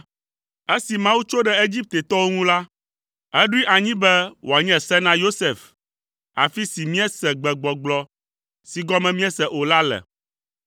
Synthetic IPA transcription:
e˦si˨mã˦wu˦t͡ʃo˦ɖɛ˦e˦d͡ʑi˦p̚t̪e˨t̪ɔ˦wo˦ŋũ˦la˦ | ɛ˦ɖi˦ʔa˨ɲĩ˦bɛ˦wʔo˨a˨ɲɛ̃˨sɛ˦nã˦jo˦se˨f | a̰˨fi˦si˨mĩ˦ɛ˦sɛ˨ɡ͡bɛ˨ɡ͡bɔ˨ɡ͡blɔ˨ | si˨ɡɔ˦mɛ̃˦mĩ˦ɛ˦sɛ˨ʔo˨la˦lɛ̰˨

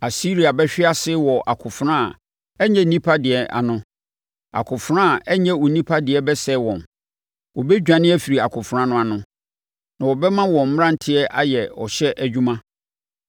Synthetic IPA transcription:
a˨si˦ɾi˨a˨bɛ˦ɕᶣɪ˦a˦sɪ˦wɔ˨ʔa˨kʰʊ˨fɾã˦a˨ | ɛ˦ɲɛ̃˦nĩ˦pʰa˦dɪ˨ɛ˨ʔa̰˨nʊ̃˦ | a̰˨kʰʊ˨fɾã˦˨ɛ˦ɲɛ̃˦ɔ˨nĩ˦pʰa˦dɪ˨ɛ˦bɛ˦sɛ˦˨wɔ̃˨n | wɔ˨bɛ˦d͡ʑᶣã˨nɪ̃˦æ˦fi˨ɾi˨a˨kʰʊ˨fʊ˨ɾã˦nʊ̃˦a˨nʊ̃˦ | nã˨wɔ˨bɛ˦mã˦wɔ̃˨m̩˦m˦ɾã˦n̩˨tʰɪ˦ɛ˦ʔa˦jɛ˨ɔ̰˨ɕɛ˦ʔæ˨d͡ʑᶣũ˦mã˦

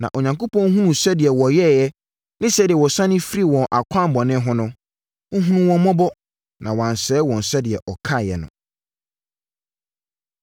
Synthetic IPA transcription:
nã̰˨ʔo˨ɲã˨ŋko˦pʰɔ̃˦ŋ˦ɦũ˦nũ˨sɛ˦dɪ˨ɛ˨wɔ˨jɛ˦˨jɛ˦ | nɪ̃˦sɛ˦dɪ˨ɛ˨wɔ˨sã˦nɪ̃˦fi˦ɾi˦wɔ̃˨ʔa˨kʷʰã˦˨m˨bɔ˨nɪ̃˦ɦʊ̃˦nʊ̃˦ | ʊ̃˦ɦũ˦nũ˦wɔ̃˦mɔ̃˦bɔ˦ | nã̰˨wɔ˨ã˨n˨sɛː˨˦wɔ̃˨n̩˨sɛ˦dɪ˨ɛ˨ʔɔ˨kʰa˦˨jɛ̰˨nʊ̰̃˨

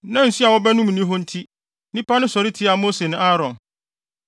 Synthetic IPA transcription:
nã˦n̩˨si˦a˨wɔ˦bɛ˦nʊ̃˦m˨nĩ˦ɦɔ̃˦n̩˦tʰi˦ | nĩ˦pʰa˦nʊ̃˦sɔ˨ɾɪ˦tʰɪ˦a˨mo˦se˨nʊ̃˦a˦ɾɔ̃˨n

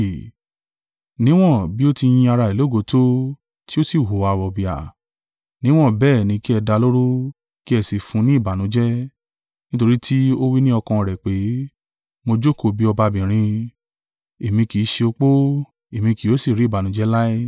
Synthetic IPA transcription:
nĩ˨˦w̃ɔ̃˦˨bi˦o˦ti˧j̃ĩ˧a˧ɾa˧e˨lo˦˨ɡo˨˦to˦ | ti˦o˦si˦˨ɦo˨a˨wɔ˨bi˨a̰˨ | nĩ˦w̃ɔ̃˦˨bɛː˦˨nĩ˨˧˦ki˦ɛ˧da˧lo˦ɾo˦ | ki˦ɛ˧˨si˨fũ˧˦nĩ˦i˦˨ba˨nũ˨˦d͡ʒɛ˦ | nĩ˦to˧ɾi˦tʰi˦o˦wi˦nĩ˦ɔ˧kã˧ɾɛ˨k͡pe˨˦ | mo˧d͡ʒo˦ko˨bi˨˦ɔ˧ba˧bĩ˨ɾ̃ĩ˧ | e˨mĩ˧ki˨˦ʃe˧o˧k͡po˦ | e˨mĩ˧ki˨o˨˦si˦˨ɾi˦˨ba˨nũ˨˦d͡ʒɛ˦la˦i˦

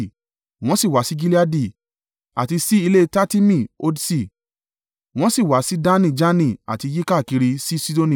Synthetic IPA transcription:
w̃ɔ̃˦si˦˨wa˨˦si˦ɡi˦li˦a˦di˦˨ | a̰˨ti˧si˦i˧le˦ta˦ti˦mĩ˦˨o˧dsi˦˨ | w̃ɔ̃˦si˦˨wa˨˦si˦da˦nĩ˦˨d͡ʒa˦nĩ˦˨a̰˨ti˧ji˦ka˦˨ki˨˧ɾi˧si˦si˦do˧nĩ˨

